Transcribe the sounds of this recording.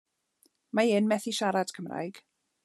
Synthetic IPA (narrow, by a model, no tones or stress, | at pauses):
maɪnmɛθiʃaɾad̥kʰəmra̰jɡ̥